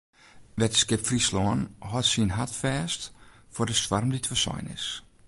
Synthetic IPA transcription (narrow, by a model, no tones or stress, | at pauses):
ʋɛtəskɪpfrislɔːənhɔtsinɦatfɛːstfʊdəswarmditʋəsɔ̰jnɪ̰s